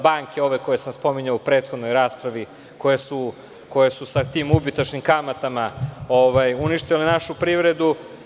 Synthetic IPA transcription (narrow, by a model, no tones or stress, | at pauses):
baːŋkeo̞ʋe̞ko̞jesamspo̞miɲaupɾe̞ːt̪xo̞d̪no̞jɾaːspɾaʋi | ko̞jesu | ko̞jesusat̪iːmubit̪at͡ʃnimkamat̪amaoʋajuniʃt̪ilenaʃupɾiʋɾe̞d̪u